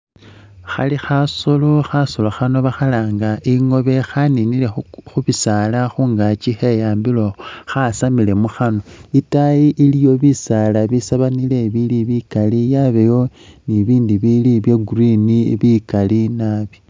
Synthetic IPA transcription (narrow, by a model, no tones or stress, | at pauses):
xa̰lixasoloxasoloxano̞βaxalaːŋɡaʔiŋo̞βe̞xaninile̞xuβisalaxuːŋɡat͡ʃixe̞jaːmbilo̞xasamile̞muxano̞itajiʔilijo̞βisalaβisaβanile̞βiliβikalijaβejo̞ | niβiːndiβiliβjeɡuriniβikalinaβi̥